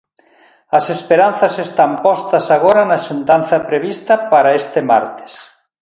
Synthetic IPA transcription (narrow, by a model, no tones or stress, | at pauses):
ɐsespeɾan̟θɐsest̪ampɔst̪ɐsaɣoɾɐnaʃunt̪an̟θɐpɾeβist̪ɐpaɾaest̪ema̰ɾt̪e̥s